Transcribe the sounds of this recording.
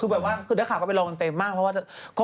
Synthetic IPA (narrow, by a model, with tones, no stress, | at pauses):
kʰɯː˧bɛː˨˩p̚waː˥˩kʰɯː˧da˥˩kʰaː˨˩ka˥˩pe˧nlɔː˧ŋa˧nt̪e˧mːaː˥˩k̚ʰɔ˦˥waː˥˩t͡ɕa˨˩kʰɔ˧˥